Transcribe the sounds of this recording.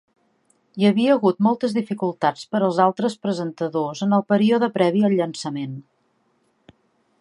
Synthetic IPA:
iəβiəːɣut̪mɔlˠt̪əzðifikulˠt̪at͡spəɾəlˠzalˠt̪ɾəspɾəzənt̪əðozənəlˠpəɾioðəpɾɛβiəlʎːənsəmen

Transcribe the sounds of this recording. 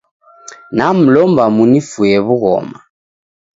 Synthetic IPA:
nam̩lɔmbamunifujɛβuɣɔ̰ːma

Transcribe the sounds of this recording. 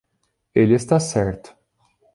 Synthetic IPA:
elɪest̪asɛɾt̪ʊ̥

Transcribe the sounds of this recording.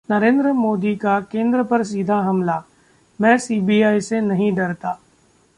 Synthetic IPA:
nɐɾẽːnd̪ɾəmoːd̪ikakẽːnd̪ɾəpɐɾs̬iːd̪ʱaɦɐmlaː | mɛ̃ːsiːbiːaːisenɐɦĩɖɐɾt̪aː

